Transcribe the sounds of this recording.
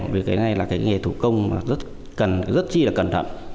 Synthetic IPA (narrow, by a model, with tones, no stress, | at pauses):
vi˨˩ək̚ːa˨˦na˧jlaː˨˩kaː˨˦jŋe˨˩t̪ʰu˧˩kə˧wŋ͡mmaː˨˩zə˦˥t̚ | kə˨˩nzə˦˥t̚t͡ɕi˧laː˨˩kə˨˩nt̪ʰə̰˧˨n